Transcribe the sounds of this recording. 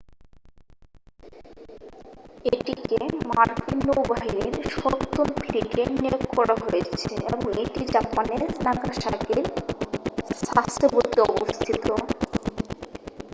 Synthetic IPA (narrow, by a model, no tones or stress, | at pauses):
eʈikemaɾk̪inːowbaɦiniɾʃɔkt̪ːomfʰliʈenekkɔɾaɦojet͡ɕʰeeboŋeʈid͡ʑapaneɾnakaʃakiɾ | ʃast̪ʰobot̪iɔbost̪ʰit̪o